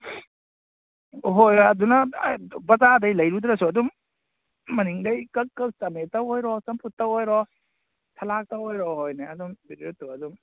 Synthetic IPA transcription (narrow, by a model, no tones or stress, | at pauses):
ɦojɐdunɐbɐzadɐjlɐjɾudɾɐsuɐduŋː | ɐniŋdɐjkɐkːɐk̚t͡ʃɐmetɐwojɾɔsɐmpʰutːɐwhojɾɔ | tʰɐlak̚tɐwojɾɔɦojneɐdumbiɾiɾutːuɐduŋ